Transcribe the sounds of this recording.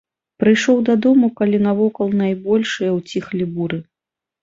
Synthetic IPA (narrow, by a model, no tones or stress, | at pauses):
pɾɨjʂɔwd̪ad̪ɔmukalʲinavɔkɐlˠnajbɔlʲʂɨjɐwt͡sʲixlʲibuɾɨ